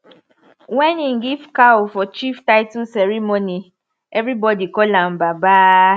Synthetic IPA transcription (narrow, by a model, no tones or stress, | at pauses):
wɛ̃niŋ̩ɡivkaofɔt͡ʃiftaɪtusɛɹimoni | ɛvɾibɔdikɔlãmbaba